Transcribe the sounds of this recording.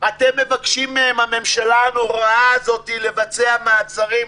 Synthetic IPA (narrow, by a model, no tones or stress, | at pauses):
at̪e̞mːe̞vakʃimemhame̞mʃalanuʁaazo̞tile̞vat͡seamaːt͡saʁim